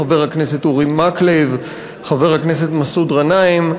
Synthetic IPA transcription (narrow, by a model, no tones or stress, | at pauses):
aveʁhaknesetuʁimaklev | χave̞ʁhakneset̪masud̪ʁanaim